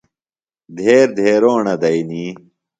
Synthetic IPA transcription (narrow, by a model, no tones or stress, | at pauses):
d̪ʱeːɾd̪ʱeːɾoːɳɐd̪ɐjniː